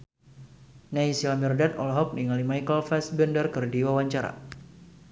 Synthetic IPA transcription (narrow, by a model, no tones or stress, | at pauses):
naisilamirdat̪ɔ̰lɦɔk̚niŋalimajkəlfɛsbəndərkərdiwawaɲt͡ʃaɾa̰